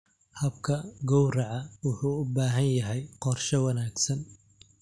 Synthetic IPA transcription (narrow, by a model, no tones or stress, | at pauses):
hɐb̚kʰɐɡɔwrɐʕɑwʊħuːʊbaːɦɐnjɐɦɛjqɔrʃɐwɐnaːɡsɐn